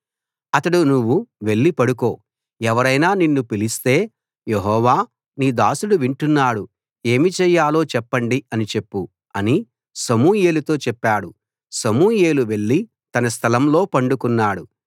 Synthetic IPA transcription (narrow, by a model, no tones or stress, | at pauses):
ɐt̪ɐɽunuʋːuʋe̞ɭːipɐɽuko̞ː | ɛʋɐɾɐjnaːninːupilist̪e̞ː | jeɦɔːʋaː | niːd̪aːsuɽuʋiɳʈunːaːɽu | e̞ːmit͡ʃɛːjːaːlo̞ːt͡ʃɛpːɐɳɖiɐnit͡ʃe̞pːu | ɐni | sɐmuːje̞ːlut̪o̞ːt͡ʃɛpːaːɽu | sɐmuːje̞ːluʋe̞ɭːi | t̪ɐnɐst̪ʰɐlɐmlo̞ːpɐɳɖukunːaːɽu